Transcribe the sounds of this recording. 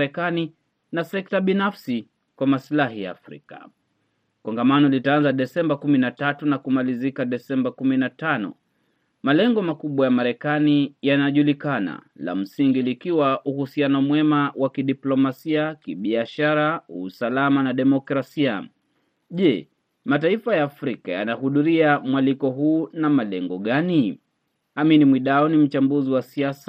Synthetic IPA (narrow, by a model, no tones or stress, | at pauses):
ɾɛkani | nasɛk̚taɓinafsi | kwamaslaɦija̰ːfɾḭka̰ | kɔŋɡamanɔlitaanzaɗɛsɛmbakuminatatunakumalizikaɗɛsɛmbakuminatanɔ̰ | malɛŋɡɔmakuɓwajamaɾɛkanijanaʄulikana̰ | la̰m̩siŋɡilikiwaʔuhusianɔmwɛmawʔakiɗiplɔmasiakiɓiaʃaɾauːsalamanaɗɛmɔkɾasia | ʄɛ | mataifajaːfɾika̰ja̰nahuðuɾiamwalikɔɦuːnamalɛŋɡɔɠani | aminimwiɗaɔnim̩t͡ʃambuziwasias